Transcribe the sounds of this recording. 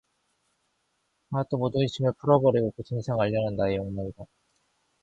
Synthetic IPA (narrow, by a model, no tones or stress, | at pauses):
anat͈omodɯiɕʰimɯɭpʰuɾʌbʌɾiɡokut͡ɕʰiŋsʰaŋaʎːʌnɯndaejoŋmaŋida